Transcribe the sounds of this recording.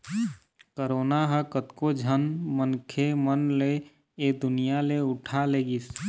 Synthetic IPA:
kəɾoːnaɦəkət̪kod͡ʒʱənmənkʰemənle | ed̪ʊnijaleʊʈʰaleːɡis

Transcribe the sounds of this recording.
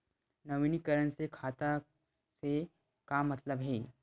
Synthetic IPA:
nɐʋinikəɾənsekʰaːt̪a | se | kamɐt̪ləbɦɛː

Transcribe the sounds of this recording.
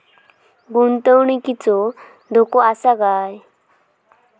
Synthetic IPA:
ɡunt̪əwɳikit͡sɔ | d̪ʱokɔasaɡaj

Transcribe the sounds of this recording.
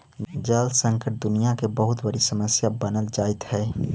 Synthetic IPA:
d͡ʒəlsə̃ŋkəʈ̚d̪ʊnijakebəɦʊt̪bəɾisəməsjabənəld͡ʒaɪt̪ɦɛː

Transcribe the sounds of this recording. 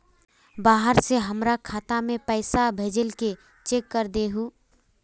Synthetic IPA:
baːɦəɾseɦəmɾakʰaːt̪amẽpəɪsabʱeːd͡ʒəlke | t͡ʃekːəɾd̪eɦu

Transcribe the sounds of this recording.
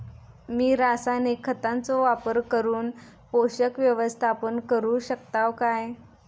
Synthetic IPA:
miːɾasanekʰːət̪ant͡sɔʋapəɾkəɾuːn | poɕəkʋjəʋəst̪ʰapənkəɾuːɕəkt̪aʋkaj

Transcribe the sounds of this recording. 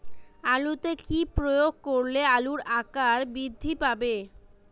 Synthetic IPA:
alut̪ekipɾojoɡ̚koɾlealuɾakaɾbɾid̪ʱːipabe

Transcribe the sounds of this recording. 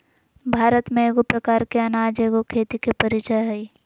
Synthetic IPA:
bʱaːɾət̪mẽeːɡopɾɐkaːɾkeɐnaːd͡ʒeːɡokʰeːt̪ikepɐɾɪt͡ʃəɦɐi

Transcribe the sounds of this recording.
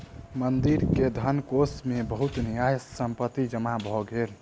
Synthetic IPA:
mənd̪iɾked̪ʱənkosmebəɦut̪nijajːəmpət̪ːid͡ʒəmabʱɔɡeɾ

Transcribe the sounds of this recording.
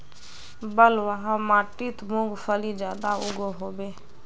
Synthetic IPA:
bəlwəɦə̃maːʈit̪muɡfʰəlid͡ʒjaːd̪auɡoɦoːbeː

